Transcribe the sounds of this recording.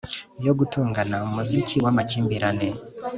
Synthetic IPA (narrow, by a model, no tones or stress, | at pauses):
jo̞ɡutuːŋɡanaumuziciwamaciːmbiɾane